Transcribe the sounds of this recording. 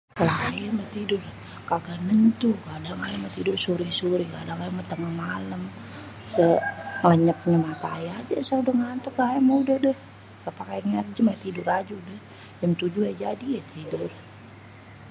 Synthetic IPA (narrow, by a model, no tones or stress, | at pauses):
alaajamat̪idʊr | kaɡanənt̪ukadaŋajamat̪idʊrsuɾisuɾikadaŋajamət̪əŋahmaləm | səŋləɲəp̚ɲamat̪aːjad͡ʒasaudəhŋant̪ukajamaudədəh | kapakajaniŋat̪̚d͡ʒəmat̪idʊrad͡ʒudəh | d͡ʒamt̪ud͡ʒuad͡ʒadijat̪idʊr